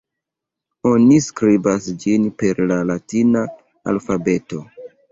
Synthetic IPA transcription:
o̞niskɾibasd͡ʒinpe̞ɾlalatina | a̰lfabe̞to̞

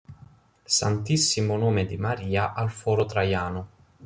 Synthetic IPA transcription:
sa̰nt̪isːimʊnoːmed̪imaɾiːaʔalfɔːɾot̪ɾajaːnʊ

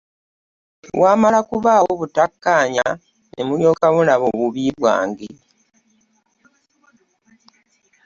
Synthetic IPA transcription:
waːmalakuβaːwoβutakːaːɲa | nʔḛmuljo̞ːkaβulaβoβuβiːβwa̰ːŋɡe

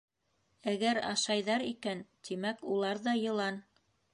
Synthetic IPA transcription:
æɡæɾɑ̰ʃɑjðɑɾikænt̪ʰimækulˠɑɾðɑjɤ̆lˠɑn

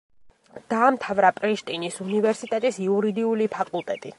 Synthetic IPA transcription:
d̪̥aːmt̪ʰavɾapʼɾiʃt̪ʼinisunivɛɾsit̪ʼɛt̪ʼisiuɾid̪iulipʰakʼulˠt̪ʼɛt̪ʼi

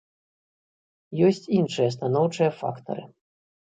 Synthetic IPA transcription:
jɔsʲt͡sʲinʂɨjɐst̪anɔwt͡ʂɨjɐfa̰kt̪ɐ̰ɾɨ̰

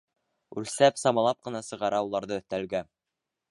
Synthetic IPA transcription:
ʉlsæpsɑmɑlˠɑp̚qɤ̆nɑsɤ̆ʁɑɾɑulˠɑɾðɤɵ̆θt̪ælɡæ

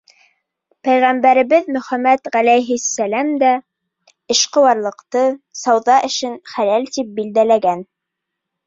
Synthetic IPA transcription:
pæjʁæmbæɾɘ̆βɘðmɵ̆χæmæt̪ʁælæjɦɘsːælæmd̪æ | ɘ̆ʃqɤ̆wɑɾlˠɤ̆qt̪ɤsɑwðɑʔɘ̆ʃɘnχælælt̪ip̚bild̪ælæɡæn

